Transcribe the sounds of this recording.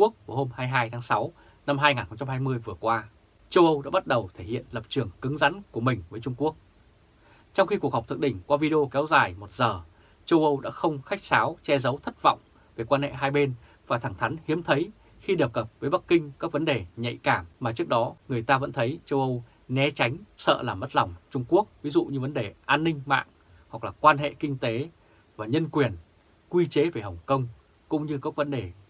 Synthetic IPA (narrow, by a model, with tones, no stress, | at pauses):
u˦˥ək̚vho˧mhaː˧jɦaː˧jt̪ʰaː˨˦ŋsa˨˦w | na˧mɦaː˧jŋaː˨˩nxə˧ŋ͡mt͡ɕa˧mɦaː˧jmɨ˧əjvɨ˨˩əkwaː˧ | t͡ɕə˧wʔə˧wɗa̰ː˧˥ɓa˦˥t̚ɗə˨˩wt̪ʰe˧˩hḭ˧˨ənlə˨˩p̚t͡ɕɨ˨˩əŋkɨ˨˦ŋza̰˧˨˥nku˧˩əmï˨˩ŋ̟vəː˨˦jt͡ɕʊ˧ŋ͡mku˦˥ək̚ | t͡ɕɔ˧wŋ͡mxi˧ku˨˩ək̚ha˨˩k͡p̚t̪ʰɨ˨ɗï˧˩ŋ̟kwaː˧vi˧ɗi˧o˧kɛ˨˦wzaː˨˩jmo˨˩t̚zəː˨˩ | t͡ɕə˧wʔə˧wɗa̰ː˧˥xə˧wŋ͡mxa˦˥jk̟̚saː˨˦wt͡ɕɛ˧zə˨˦wt̪ʰə˦˥t̚va̰˧˨wŋ͡m | ve˨˩kwaː˧nhḛ˧˨ɦaː˧jɓe˧n | vaː˨˩t̪ʰaː˧˩ŋt̪ʰa˨˦ŋ̟hi˨˦əmt̪ʰə˨˦j | xi˧ɗə˨˩p̚kə˨˩p̚vəː˨˦jɓa˦˥kːï˧ŋ̟kaː˦˥k̚və˨˦nɗe˨˩ɲə̰˧˨jkaː˧˩mmaː˨˩t͡ɕɨ˦˥ək̚ɗɔ˨˦ŋɨ˨˩əjt̪aː˧və̰˧˥nt̪ʰə˨˦jt͡ɕə˧wʔə˧w | nɛ˨˦t͡ɕa˨˦jŋ̟sə̰ː˧˨laː˨˩mːə˦˥t̚lɔ˨˩wŋ͡mt͡ɕʊ˧ŋ͡mku˦˥ək̚vi˨˦zṵ˧˨ɲɨ˧və˨˦nɗe˨˩ʔaː˧nːï˧ŋ̟ma̰ː˧˨ŋ | hwa˨˩k̚laː˨˩kwaː˧nɦḛ˧˨kï˧ŋ̟t̪e˨˦ | vaː˨˩ɲə˧nkwi˨˩ən | kwi˧t͡ɕe˨˦ve˨˩hə˨˩wŋ͡mkə˧wŋ͡m | kʊ̰˧˥ŋ͡mɲɨ˧kaː˦˥k̚və˨˦nɗe˨˩